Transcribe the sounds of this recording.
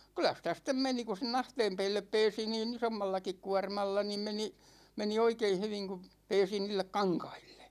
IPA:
kylˑæ sitæ sitˑem meni ku sen ɑhteːm peːlːep peːsi niːn isomːɑlːɑkik kuɑrmɑlːɑ niːm meni meni oikein̞ hyʋiŋ ku peːsi niːlːek kɑŋkɑ̥i̥l̥ːe̥

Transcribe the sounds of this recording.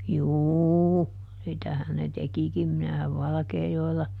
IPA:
juːu sitæhæn ne tekikim minæhæʋ ʋɑlɑ̆keːjoelːɑ

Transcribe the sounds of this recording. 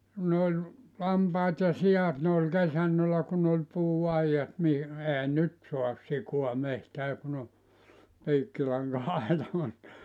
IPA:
ku ne olʲ lɑmpɑːt jɑ siɑt ne olʲ kesænːølæ kun olʲ puːɑijɑt mi ehæ nyt soɑs sikoɑ mehtæː kun o piːkːilɑŋkɑɑitɑ mut

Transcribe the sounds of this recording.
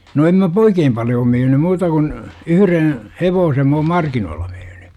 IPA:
no em mæ p oikeːm pɑljoː myːny muːtɑ kun yhyren̞ heʋoːsem m oːm mɑrkinoːlːɑ myːny

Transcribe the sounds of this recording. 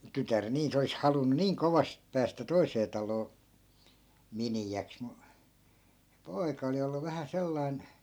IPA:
tytær niː se olis hɑlunːu niːŋ koʋɑst pæːstæ toiseː tɑloː miniæks mu se poi̯kɑ oli olːu ʋæhæ selːɑi̯n

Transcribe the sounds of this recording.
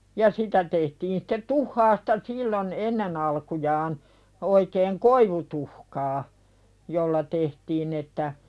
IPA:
jɑ sitæ tehtiːn sĭ̥tːet tuhːɑːstɑ silːon enːen ɑlkujɑːn oikeːŋ koiʋutuhkɑː jolːɑ tehtiːn etːæ

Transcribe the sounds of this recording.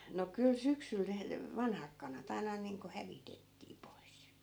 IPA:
no kyl syksyl ne ʋɑnhɑk kɑnɑt ɑi̯nɑ niːŋko hæʋitetːiː pois

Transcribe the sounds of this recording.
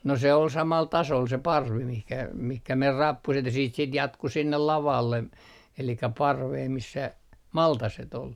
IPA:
no se ol sɑmɑl tɑsol se pɑrʋi mihkæ mihkæ mer rɑpːuset jɑ siːt sit jɑtku sinːel lɑʋɑlːe elikæ pɑrʋeː misːæ mɑltɑset ol

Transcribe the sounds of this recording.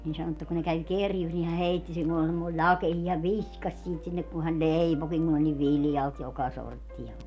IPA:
niːn sɑno etːæ kun ne kæw kerjus ni hæ heitːi siːn olʲ semːoi lʲɑkehiː hæʋ ʋiskɑsʲ siːt sinːek kun hæn leipokiŋ kun olʲ niʋ ʋiljɑlt jokɑ sortːiɑ

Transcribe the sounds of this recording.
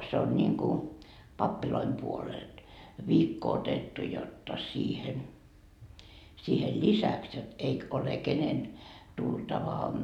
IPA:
se on nʲiŋku pɑpːiloim puoleld̥ ʋiːkːo otetːu jotːɑ siːhen siːhel lisæks jot eik ole kenen tultɑʋɑ

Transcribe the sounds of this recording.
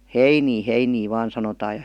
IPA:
heiniː heiniː ʋɑːn sɑnotɑː jɑ

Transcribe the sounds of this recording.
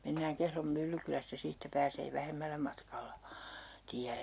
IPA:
menːæːŋ kehrom mylːykylæstæ siːtːæ pæːseː ʋæhemːælːæ mɑtkɑlːɑ tiæ

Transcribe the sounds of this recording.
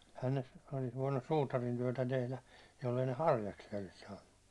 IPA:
ehæn ne olis ʋoinːus suːtɑrin tyøtæ tehlæ jolːei ne hɑrjɑksiɑ olis sɑːnːu

